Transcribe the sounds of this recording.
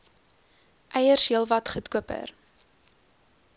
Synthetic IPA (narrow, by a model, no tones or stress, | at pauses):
ʔɛjərsɦiəlˠvɐtχutkuəpə̰r